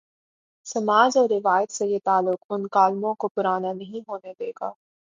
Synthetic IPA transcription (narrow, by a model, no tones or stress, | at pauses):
sɐmaːd͡ʒɔːɾːɪʋaːjət̪sejet̪aːlːʊqʊnkaːlmõkopʊɾaːnanɐɦĩɦoːned̪eːɡa̰ː